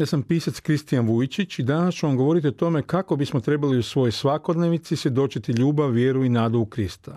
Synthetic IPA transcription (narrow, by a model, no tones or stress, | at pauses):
asampiːsat̪skɾist̪ijanʋujit͡ʃit͡ʃid̪anast͡ʃuʋamɡo̞ʋo̞ɾit̪̬iot̪o̞me̞kako̞bismot̪ɾe̞baliusʋo̞jojsʋako̞d̪ne̞ʋnit̪sisʋje̞d̪o̞t͡ʃit̪iʎuːbaʋːje̞ːɾuinaːd̪oukɾist̪a